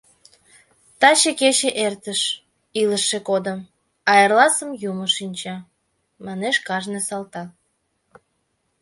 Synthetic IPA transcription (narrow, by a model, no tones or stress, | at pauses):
t̪ɑt͡ɕeket͡ɕeʔert̪əʃ | iləʃːekod̪əm | ɑerlɑsəmjuməʃinʲt͡ɕɑ | mɑneʃkɑʒnesɑlt̪ɑ